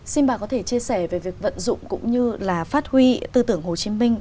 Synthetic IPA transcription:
si˧nɓaː˨˩kɔ˨˦t̪ʰe˧˩t͡ɕi˧əsɛ˧˩ve˨˩vi˨˩ək̚və̰˧˨nzʊ̰˧˨ŋ͡mkʊ̰˧˥ŋ͡mɲɨ˧laː˨˩faː˦˥t̚hwi˧t̪ɨ˧t̪ɨ˧˩əŋho˨˩t͡ɕi˨˦mï˧ŋ̟

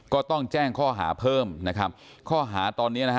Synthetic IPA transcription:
kɔː˥˩t̪ɔ˥˩ŋt͡ɕɛː˥˩ŋkʰɔː˥˩ɦa̰ː˩˦pʰɤː˥˩mna˦˥kʰa˦˥p̚ | kʰɔː˥˩ɦaː˩˦t̪ɔː˧nːi˦˥na˦˥kʰ

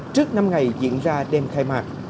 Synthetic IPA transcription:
t͡ɕɨ˦˥ək̚na˧mŋa˨˩jzḭ˧˥ənzaː˧ɗɛ˧mxaː˧jmaː˨˩k̚

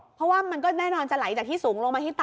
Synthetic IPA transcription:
pʰɔ˦˥waː˥˩ma˧nkɔː˥˩nɛː˥˩nɔː˧nt͡ɕa˨˩la˩˦jt͡ɕaː˨˩t̪ʰiː˥˩suː˩˦ŋlo˧ŋmaː˧t̪ʰiː˥˩t̪ː

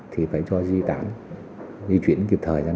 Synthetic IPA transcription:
t̪ʰi˨˩faː˧˩jt͡ɕɔ˧zi˧t̪a̰ː˧˥n | zi˧t͡ɕwi˧˨ənki˨˩p̚t̪ʰəː˨˩jzaː˧

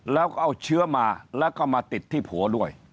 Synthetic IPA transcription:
lɛː˦˥wkɔ˥˩ʔa˧˩wt͡ɕʰɯ˦˥əmaː˧lɛː˦˥wkɔː˥˩maː˧t̪i˨˩t̪ʰːiː˥˩pʰuː˨˩˦ɐdu˥˩əj

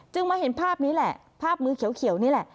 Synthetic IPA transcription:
t͡ɕɯ˧ŋmaː˧ɦe˨˩˦npʰaː˥˩p̚niː˦˥lɛ˨˩ʔ | pʰaː˥˩p̚mɯː˧kʰi˨˩˦əwkʰi˨˩˦wniː˦˥lɛ˨˩ʔ

